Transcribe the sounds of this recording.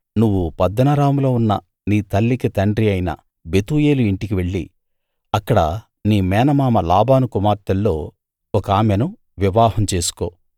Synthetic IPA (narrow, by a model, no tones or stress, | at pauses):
nuʋːupɐd̪ːɐnɐɾaːmlo̞ːunːɐ̰ | niːt̪ɐlːikit̪ɐɳɖɾiɐjnɐ̰ | be̞t̪uːje̞ːluiɳʈikiʋe̞ɭːḭ | ɐkːɐɽɐ | niːmɛːnɐmaːmɐlaːbaːnukumaːɾt̪ːɐlːo̞ː | ɔkaːmenu | ʋiʋaːhɐmt͡ʃe̞ːsu̥ko̞ː